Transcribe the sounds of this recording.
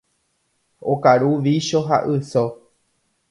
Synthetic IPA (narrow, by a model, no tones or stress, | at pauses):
okaɾuʋiʃo̞ɦa̰ʔɨso